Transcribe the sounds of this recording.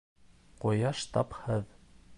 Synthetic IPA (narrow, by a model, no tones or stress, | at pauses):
qojɑʃt̪ɑphɤð